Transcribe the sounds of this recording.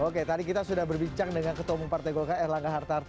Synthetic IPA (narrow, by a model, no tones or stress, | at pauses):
oket̪adikit̪asudahbərbiɲt͡ʃaŋdəŋankət̪omupart̪aɡolkaɛrlaŋɡaɦart̪ar